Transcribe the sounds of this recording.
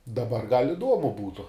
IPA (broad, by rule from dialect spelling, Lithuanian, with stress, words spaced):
dɐˈbɐr ɡɐlʲ ɪˈduɔmʊ ˈbuːtʊ